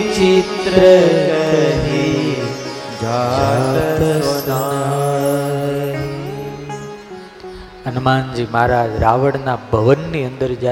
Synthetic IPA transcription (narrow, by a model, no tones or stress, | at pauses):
t͡ʃit̪ɾə | ɦi | d͡ʒd͡ʒa | s | ənmand͡ʒimaːɾad͡ʒɾaʋəɽnabʱəʋənːiənd̪əɾd͡ʒa